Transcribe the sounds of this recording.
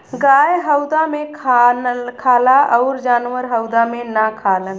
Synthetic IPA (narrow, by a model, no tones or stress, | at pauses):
ɡaːjɦəʊd̪amẽkʰakʰaːlaʔɔʊɾd͡ʒaːnʋəɾɦəʊd̪amẽnakʰaːlən